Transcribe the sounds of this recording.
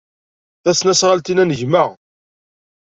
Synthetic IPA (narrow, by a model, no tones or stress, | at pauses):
θæsnæsʁalt̪inænəʝməʁ